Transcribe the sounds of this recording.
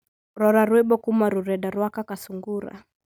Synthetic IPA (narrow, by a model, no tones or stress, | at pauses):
ɾɔɾaɾwɛɓɔkumaɾuɾɛɗaɾwakakasuŋɡuɾa̰